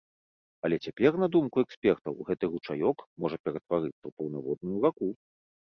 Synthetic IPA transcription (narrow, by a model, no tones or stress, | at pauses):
ɐlʲɛt͡sʲapʲɛrnɐd̪umkuɛksʲpʲɛrt̪ɐ̰wɣɛt̪ɨɣut͡ʂajɔkmɔʐɐpʲɛɾɐt̪vaɾɨt̪sːɐwpɐwnavɔd̪̚nujuvaku